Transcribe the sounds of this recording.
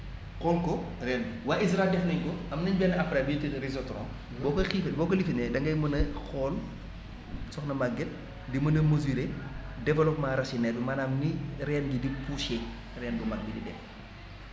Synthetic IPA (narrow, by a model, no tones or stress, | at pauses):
kɔlkɔ | rɛnwaːis̬ɾaɛldɛfnɐɲkɔɐmnɐɲbɛnːɐɐfɾabitɾizɔtɾɔːn | bɔːkɔxifbɔːkɔlifinɛdɐŋɡɐjmɐnɐxɔːl | sɔxnɐmaɡɛt̚ | dimɐnɐmɐzuɾedɛfɐlɔk̚maɾɐsinɛdumaːnaːmniɾɛːnɡidipʰusɛ | rɛːnbumɐk̚bididɛf